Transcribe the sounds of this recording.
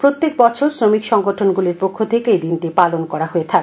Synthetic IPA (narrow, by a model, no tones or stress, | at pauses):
pɾot̪ːek̚bɔt͡ɕʰoɾsɾomikʃɔŋɡoʈʰonɡuliɾpokʰːot̪ʰeked̪int̪epalonkɔɾaɦoet̪ʰak